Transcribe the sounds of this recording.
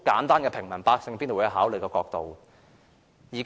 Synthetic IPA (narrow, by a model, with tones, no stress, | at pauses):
kaː˨˥nt̪aː˥nkɛː˧pʰɪ˨˩ŋmɐ˨˩npaː˧k̚sɪ˧ŋpi˥nː˨˧˩ɦaː˨˥wlɵ˨˩kɔː˧kɔː˧k̚t̪o˨w | jiː˨˩kː